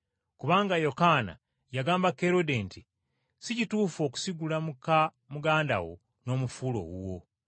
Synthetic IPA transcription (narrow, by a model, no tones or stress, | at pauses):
kuβaːŋɡajo̞kana̰ | jaɡaːmbake̞ɾo̞denti | sicituːfo̞ːku̥siɡulamuka | muɡaːnda̰wo̞̰ | no̞ːmufulo̞̰ɡṵwo̞